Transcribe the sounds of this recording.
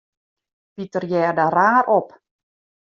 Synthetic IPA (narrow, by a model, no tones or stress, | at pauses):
pitərjɛːrdaɾaːrʔɔp